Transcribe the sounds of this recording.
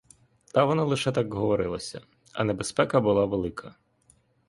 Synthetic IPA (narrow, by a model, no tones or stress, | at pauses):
t̪ɐʋɔnɑlˠɪʃɛt̪akɦɔʋɔɾɪlˠɐsʲɐ | ɐ̰nebespɛkɐbʊlˠɑʋelˠɪkʰɐ